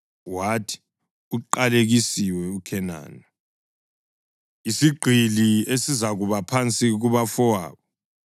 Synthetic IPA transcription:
watʰi̥ | uǃaleɣisiwɛukʰɛna̰ːna | isiɡ͡ǃʱiliesizaɣuβapʰant͡sʼiɣuβafɔwa̰ːβɔ

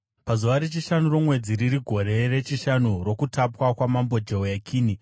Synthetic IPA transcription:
pazuʋaɾet͡ʃiʃanuro̞mwe̞d͡ziɾiɾiɡʱo̞ɾe̞re̞t͡ʃiʃanuro̞kutapwakwamambo̞d͡ʒeojakʰiːni

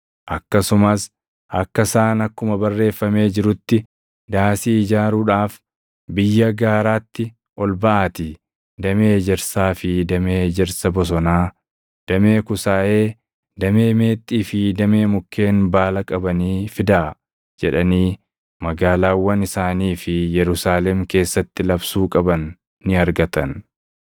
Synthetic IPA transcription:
ʔɐkːɐsʊmɐs | ʔɐkːɐsaːnɐkːʊmɐbɐrːe̞ːfːɐme̞ːd͡ʒɪɾʊt̪ːɪ | d̪aːsiːd͡ʒaːɾuːᶑaːf | bɪjːɐɡaːɾaːt̪ːɪ | ʔɔlbɐʔaːt̪ɪ | d̪ɐmed͡ʒɛɾsaːfɪd̪ɐmeːd͡ʒɛɾsɐbɔs̬ɔnaː | d̪̥ɐme̞ːkʊsaːʔe̞ː | d̪ɐme̞ːme̞ːt̪ʼːiːfɪd̪ɐme̞ːmʊkʰːe̞ːnbaːlɐkʼɐbɐniːfɪd̪aː | d͡ʒɛᶑɐniː | mɐɡaːlaːwːɐnɪsaːniːfɪjɛɾʊsaːlɛmke̞ːsːɐt̪ːɪlɐbsuːkʼɐbɐnː | ɪɐɾɡɐt̪ɐn

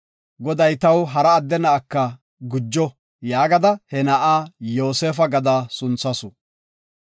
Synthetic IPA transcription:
ɡɔd̪ɐjt̪ɐwɦɐɾɐːd̪ːɛnɐʔːkːɐ | ɡʊd͡ʒːɔ | jaːɡɐd̪ɐhɛnɐʔaːjoːseːfɐɡɐd̪asʊnt͡sːɐsʊ

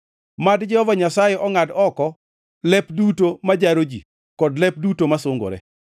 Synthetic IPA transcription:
madd͡ʒɛhɔvaɲasajeʔɔŋadɔkɔ | lɛpdutomad͡ʒaɾod͡ʒi | kɔdlɛp̚dutomasoŋɡo̰ɾɛ̰

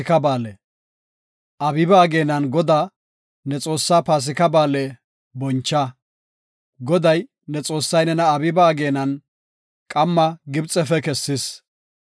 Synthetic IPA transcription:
ɪkɐbaːlɛ | ʔɐbɪbaːɡe̞ːnɐnɡɔd̪aː | nɛt͡sʼo̞ːsːaːpaːs̬ɪkɐbaːlɛ | bɔnt͡ʃːɐ | ɡɔd̪ɐj | nɛt͡sʼo̞ːsːɐjnɛnɐːbɪbaːɡe̞ːnɐn | kʼɐmːɐɡɪbt͡sʼɛfɛkɛsːɪs

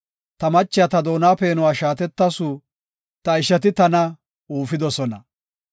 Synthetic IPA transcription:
t̪ɐmɐt͡ʃːɪjɐt̪ɐd̪o̞ːnaːpeːnʊwaːʃaːt̪̬ɛt̪ːɐsu | t̪ɐɪʃɐt̪̬ɪt̪ɐnɐ | uːfɪd̪ɔsɔnɐ

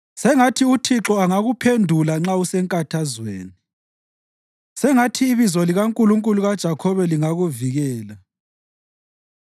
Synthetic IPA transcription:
sɛŋatʰiutʰiǁɔaŋaɣupʰendʱulaŋ͡ǁausɛŋkʼatʰazwḛːni | sɛŋatʰiːβizɔliɣaŋkʼuluŋkʼuluɣad̥ʒ̥ʱakʰɔβɛliŋaɣuviɣɛːla

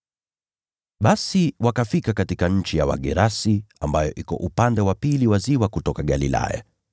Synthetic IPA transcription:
ɓasiwakafikakatikaɲ̩t͡ʃijawa̰ɠɛɾasiambajɔʔikɔ̰ʔupandɛwapiliwaziwakutɔkaɠalḭla̰ja̰

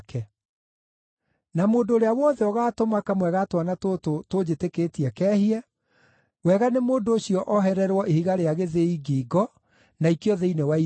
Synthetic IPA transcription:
kʰɛ | namoːndoːɾeawɔðɛɔɣaːtomakamwɛɣatwanatototod͡ʑetekeːtiɛkɛːhiɛ | wɛɣanemoːndoːɕjɔʔɔɦɛɾɛɾwɔʔehiɣaɾeaɣeðeiɡiːɡɔ | naikjɔðɛinewai

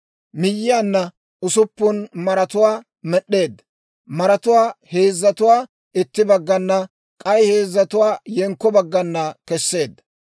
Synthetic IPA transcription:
mɪjːɪjaːnːɐ | ʊsʊpːʊnmɐɾɐt̪ʊwaː | mɛɗːe̞ːd̪ːɐ | mɐɾɐt̪ʊwaːhe̞ːzːɐt̪ʊwaː | ɪt̪ːɪbɐɡːɐnːɐ | kʼɐjhe̞ːzːɐt̪ʊwaːjɛŋkːɔbɐɡːɐnːɐkɛsːe̞ːd̪ːɐ̥

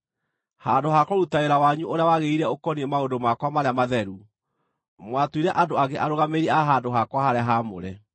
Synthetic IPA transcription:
handoɦakɔɾutaeɾawaɲuʔoɾeawaɣeiɾɛokɔniɛmaodomakwamaɾeamaðɛɾu | mwatwiɾɛʔadoaɣeʔaɾoɣameɾɛaɦadoɦakwahaɾeaɦamo̰ɾɛ

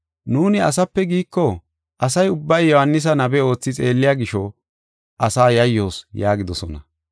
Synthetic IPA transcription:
nuːnɪɐ̰s̬ɐpːɛɡiːkːɔ | ʔɐsɐjʊbːɐjːɔhɐnːɪs̬ɐnɐbɛo̞ːt͡sːɪt͡sʼe̞ːlːɪjaːɡɪʃɔ | ʔɐsaːjɐjːo̞ːsjaːɡɪd̪ɔsɔnɐ

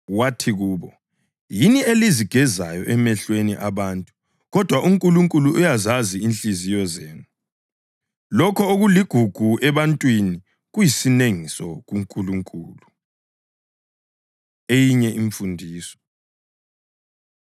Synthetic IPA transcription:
watʰiɣuːβɔ | jinieliziɡ̥ʱɛzajɔʔɛmɛɬweniʔaβantʼu | ɣɔd̥ʱwaʔuŋkʼuluŋkʼuluʔːjazaziinɬʼizijɔzɛːnu | lɔkʰɔoɣuliɡ̥ʱuɡ̥ʱuʔɛβantʼwini | ɣujisineŋisɔɣuŋkʼuluŋkʼuːlu | ejiɲɛʔiɱfundʱiːsɔ̥

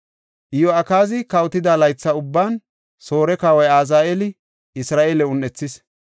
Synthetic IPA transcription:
ʔɪjɔɐkaːzɪkɐwt̪ɪd̪aːlɐjt͡sːɐʊbːaːn | so̞ːɾɛkaːwɐjaːzaːʔelɪ | ɪsɾaːʔeːlɛʊnːɛt͡sːɪs

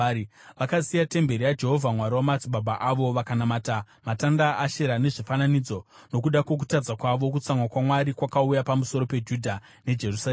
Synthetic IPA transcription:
ʋakasijate̞mbe̞ɾijad͡ʒe̞ɦo̞vʱamwaɾiwamat͡siɓʱabʱaʔaʋo̞ʋakanamaːta | matandaaʃe̞ɾane̞ʐifananid͡zo̞ | no̞kuɗakwe̞k̬u̥tad͡zakwaʋo̞k̬ut͡saŋwakwamwaɾikwakaujapamuso̞ɾo̞pe̞d͡ʒudʱa | ne̞d͡ʒe̞rusa

